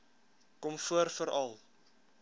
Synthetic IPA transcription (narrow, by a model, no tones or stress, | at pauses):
kɔmfuərfəɾɐlˠ